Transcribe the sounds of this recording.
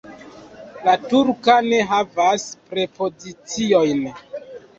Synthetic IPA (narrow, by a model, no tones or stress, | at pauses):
latuɾkane̞ɦavaspɾe̞po̞zit͡sio̞jn